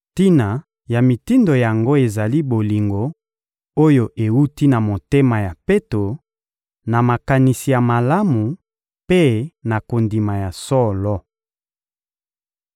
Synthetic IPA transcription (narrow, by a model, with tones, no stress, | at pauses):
ti˦na˨ | ja˨mi˨ti˦ndo˨ja˨ŋɡo˦e˨za˨li˦bo˨li˨ŋɡo˨ | o˦jo˨ʔe˨wu˦ti˦na˨mo˨te˦ma˨ja˨pe˦to˨ | na˨ma˨ka˨ni˨si˨ja˨ma˨la˦mu˨ | pe˦na˨ko˨ndi˨ma˨ja˨sɔ˦lɔ˦